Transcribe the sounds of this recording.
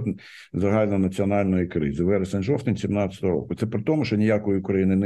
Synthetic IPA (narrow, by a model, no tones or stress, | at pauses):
t̪ | zɐɦɑlʲnɐnɐt͡sʲiɔnɑlʲnɔjikɾɪ̰zɪʋɛɾɐsɐnʒɔft̪ʲɪnʲsʲimnɑt͡sʲə̥t̪ɔɦɔɾɔ̰kʊt̪sɛpɾɪt̪ɔmʊʃt͡ʃɔnʲɪjakɔjɪʊkɾɐjinɪn